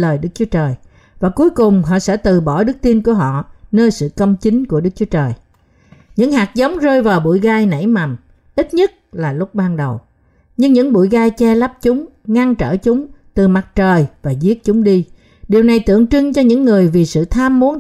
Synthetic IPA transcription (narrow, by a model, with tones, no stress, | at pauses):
ləː˨˩jɗɨ˦˥k̚t͡ɕu˨˦ət͡ɕəː˨˩j | vaː˨˩ku˨˦əjkʊ˨˩ŋ͡mɦɔ̰˧˨sɛ̰˧˥t̪ɨ˨˩ɓɔ˧˩ɗɨ˦˥k̚t̪i˧nku˧˩əɦɔ̰˧˨nəː˧jsɨ̰˧˨kə˧wŋ͡mt͡ɕi˨˦ŋ̟ku˧˩əɗɨ˦˥k̚t͡ɕu˨˦ət͡ɕəː˨˩j | ɲɨ̰˧˥ŋhaː˨˩t̚zə˨˦wŋ͡mzəː˧jvaː˨˩wɓṵ˧˨jɣaː˧jnə̰˧˩jma˨˩m | ʔi˦˥t̚ɲə˦˥t̚laː˨˩lʊ˦˥k͡p̚ɓaː˧nɗə˨˩w | ɲɨ˧ŋɲɨ̰˧˥ŋɓṵ˧˨jɣaː˧jt͡ɕɛ˧la˦˥p̚t͡ɕʊ˨˦ŋ͡m | ŋa˧ŋt͡ɕə̰ː˧˩t͡ɕʊ˨˦ŋ͡mt̪ɨ˨˩ma˨˩t̚t͡ɕəː˨˩jvaː˨˩zi˦˥ət̚t͡ɕʊ˨˦ŋ͡mɗi˧ | ɗi˨˩əwna˨˩jt̪ɨ̰˧˨əŋt͡ɕɨ˧ŋt͡ɕɔ˧ɲɨ̰˧˥ŋːɨ˨˩əjvi˨˩sɨ̰˧˨t̪ʰaː˧mːu˨˦ən